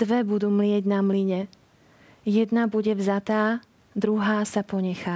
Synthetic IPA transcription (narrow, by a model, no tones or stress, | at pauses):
ʋɛbud̪uːmlɪɛɟnamliɲɛ | jɛd̪nabuɟɛvzat̪aː | d̪ɾuɦaːsapɔɲɛxaː